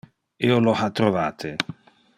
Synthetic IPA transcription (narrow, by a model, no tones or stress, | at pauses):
iolohat̪ːɾovaːt̪ʰe